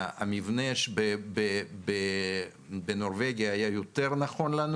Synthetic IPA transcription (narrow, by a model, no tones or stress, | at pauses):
a̰mivneʃbebebe | benoʁveɡijaːjajot̪eʁnaχo̞nlan